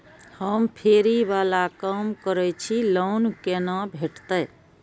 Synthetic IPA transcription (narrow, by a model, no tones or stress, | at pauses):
həmpʰeːɾiʋaːlakaːmkəɾɛt͡ʃʰiloːnkenãbʱeʈt̪ə